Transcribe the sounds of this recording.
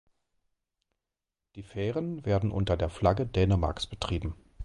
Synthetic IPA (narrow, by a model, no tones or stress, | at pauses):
d̥iːfɛːʁənveːɐdn̩ʔʊntɐdeːɐflaɡədɛːnəma̰ɐksb̥ətʁ̥iːbm̩